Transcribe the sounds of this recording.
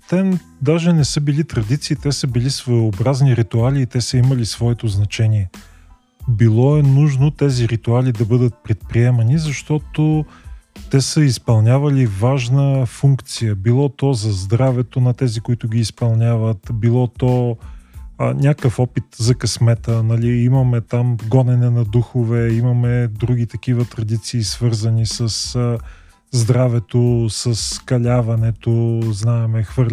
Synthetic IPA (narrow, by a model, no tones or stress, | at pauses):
t̪ɛ | d̪aʒɛnɛsɤbilit̪ɾɐd̪it̪siːt̪ɛsəbilisvojobɾazniɾit̪ualiːt̪ɛsəimɐlisvɔɛt̪oznɐt͡ʃɛniɛ | bilˠɔɛnuʒnot̪ɛziɾit̪ualid̪ɐbɤd̪ət̪̚pɾɛt̪̚pɾiɛmɐnizɐʃt̪ɔt̪o | t̪ɛsəispɐlˠnʲavɐlivaʒnəfuŋkt̪sijəbilˠɔt̪ɔzɐzd̪ɾavɛt̪onɐt̪ɛzikʊit̪ʊɡʲiːspɐlˠnʲjavət̪bilˠɔt̪ɔ | nʲakəfɔpit̪zɐkɐsmɛt̪ənɐliimɐmɛt̪amɡɔnɛnɛnɐd̪uxovɛimɐmɛd̪ɾuɡ̟it̪ɐk̟ivət̪ɾɐd̪it̪siːsvɤɾzɐnisəs | zd̪ɾavɛt̪osɐskɐlʲavɐnɛt̪oznaɛmɛxvɤɾ